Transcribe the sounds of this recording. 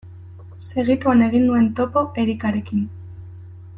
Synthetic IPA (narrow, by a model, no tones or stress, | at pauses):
se̞ɣ̞it̪uane̞ɣ̞inːue̞nt̪o̞po̞ʔe̞ɾikaɾe̞kin